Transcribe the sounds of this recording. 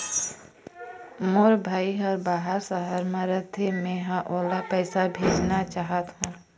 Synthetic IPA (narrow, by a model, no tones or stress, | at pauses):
moɾbʱaːiɦɔːɾbaːɦəɾsəɦəɾmãɾət̪ʰemẽɦãʔoːlapɛːsabʱeːd͡ʒnat͡ʃaːɦət̪ɦũː